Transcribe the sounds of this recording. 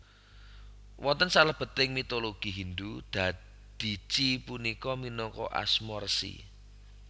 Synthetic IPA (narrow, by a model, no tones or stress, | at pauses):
wɔnt̪ənsaləb̥ə̤t̪ɪŋmit̪oloɡ̥i̤ɦind̪ud̪̥a̤ | d̪̥i̤t͡ʃipunikɔminɔŋkɔ̰ʔa̰smɔrsḭ